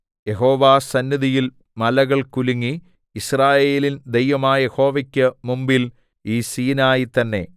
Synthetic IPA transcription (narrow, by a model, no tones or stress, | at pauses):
je̞ɦo̞ːʋaːsɐnːjɐðijil | mɐlɐɣɐɭkuliŋːi | israːje̞ːlind̪ejʋɐmaːje̞ho̞ːʋɐkʲːɐmumbil | iːsiːnaːjit̪ɐnːe̞̰